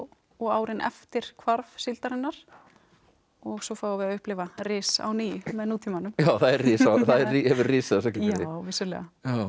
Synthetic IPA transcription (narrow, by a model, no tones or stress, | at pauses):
ɔɣaːwɾɪnʔɛ̰ft̪ɪɾ̥kʰvaɾvsɪlt̪aɾɪnːaɾ̥ | ɔɣsɔfaːwavɪðaðʏhplɪːvarɪːsa̰wniːjʏmɛðnuːt̪ʰiːmanʏmjaːwθaðɛɾrɪːsaθaðɛhɛvʏɾriːsaðas̬ɛklaɪwvɪsʏɾlɛ̰ɣaja